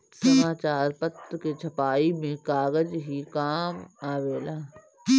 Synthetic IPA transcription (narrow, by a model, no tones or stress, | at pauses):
sɐmaːt͡ʃaːɾpət̪ket͡ʃʰɐpaːimẽkaːɡəd͡ʒɦikaːmaːʋeːlaː